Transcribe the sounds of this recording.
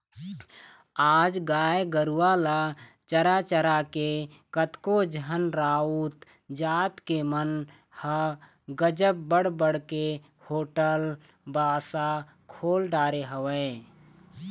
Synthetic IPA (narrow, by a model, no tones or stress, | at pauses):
aːd͡ʒɡaːjɡəɾuwala | t͡ʃəɾat͡ʃəɾake | kət̪kod͡ʒənɾaːut̪ | d͡ʒaːt̪kemən | hə | ɡəd͡ʒəpbəɽbəɽke | hoːʈəl | baːsa | kʰoːlɖaːɾeɦəwə